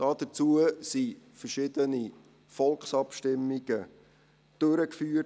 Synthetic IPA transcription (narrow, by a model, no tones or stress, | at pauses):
ɑːd̥̪ət͡suəsifərʃɪd̥əni | fɔlkχsɑpʃtɪmːiɡ̥ə | d̥øɾəkfyːə